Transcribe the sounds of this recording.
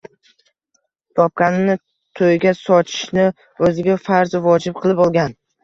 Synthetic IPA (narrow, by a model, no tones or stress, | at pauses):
t̪ʰɒp̚kʲanɪnɪ | t̪ʰojɡʲasɒt͡ʃ̪ʰɪ̥ʃnɪ | ɵzɪɡʲafaɾzvɒd͡ʒɪp̚qʰɨlˠɪpɒlˠɡʲan